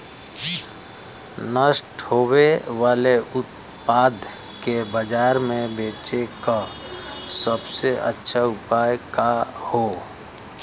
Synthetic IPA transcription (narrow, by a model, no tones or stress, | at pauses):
nəsʈhoːweʋaːleʊt̪̚paːd̪ʱkebəd͡ʒaːɾmẽbeːt͡ʃeka | səbseʔə̰tːʃʰaʊpaːjkaho